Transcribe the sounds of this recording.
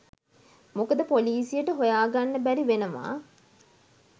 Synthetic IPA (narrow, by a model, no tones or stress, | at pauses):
mukəd̪əpoliːsijəʈəɦojaːɡanːəbæɾiʋenəma̰